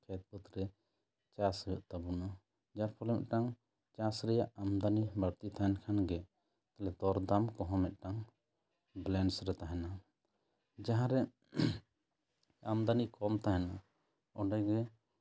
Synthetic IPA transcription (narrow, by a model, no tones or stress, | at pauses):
kʰɛt̪̚pət̪ɾɛ | t͡ʃasɾjɔʔt̪abuna | d͡ʒaɾpʰɔlɛmɛ̰ʔ̪̚ʈaŋ | t͡ʃasɾɛjaʔamd̪anibaɽt̪it̪ʰaɛnkʰanɡɛ | t̪alɛd̪ɔɾd̪amkɔɦɔ̃mɛt̪̚ˀʈaŋ | blɛnsɾɛt̪aɦɛna | d͡ʒaɦãɾɛ | amd̪anikɔmt̪aɦɛna | ɔɖɛɡɛ